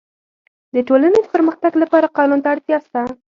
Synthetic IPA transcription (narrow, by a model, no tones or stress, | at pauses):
d̪əʈolaned̪əpəɾməxt̪aɡlapɑɾaqɑnunt̪aaɽt̪jɑst̪a